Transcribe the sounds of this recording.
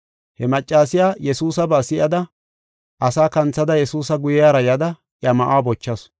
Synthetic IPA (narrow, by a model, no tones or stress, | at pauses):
hɛmɐt͡ʃʼːaːsɪjaːjɛsuːsɐbaːsɪʔɐd̪ɐ | ʔɐsaːkɐnt͡sːɐd̪ɐjɛsuːsɐɡʊjjaːɾɐjɐd̪ɐ | ʔɐmɐʔaːbɔt͡ʃːɐs